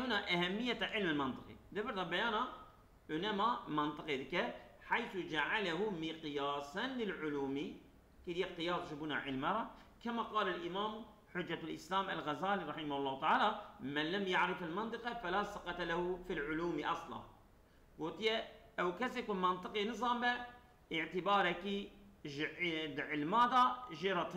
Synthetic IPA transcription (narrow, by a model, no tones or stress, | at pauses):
unaʔahamːɪjːaʕɪlmɪlmɪnt̪ˤɨ̥qḭd̪abɪɾðabajaːna | ʔɪnamamɪnt̪ˤɨqid̪ɪka | ħajθud͡ʒaʕalahumiqjaːsˤɑnlɪlʕʊluːmi | kid̪ijaqɪjaːsˤʃɪbuːna̰ʕɪlmɑɾˤɑ | kamaqɑːlalʔɪmaːm | ħʊd͡ʒːalʔɪslaːmʔalɣazaːliɾˤɑħɪmahʊlˤːɑːht̪aʕaːlamanlamjaʕɾɪfɪlmɨnt̪ˤɨqɑfalasˤɑqɑt̪alahufilʕʊluːmiʔɑsˤlɑ̰n | wʊt̪ˤjaʔawkasɪkmɑnt̪ˤɨqinɨzˤɑːmba | ʔɪʕt̪ɪbɑːɾˤakiʒʕɪd̪ʕɪlmaːd̪ˤaʒiɾˤɑt̪ˤ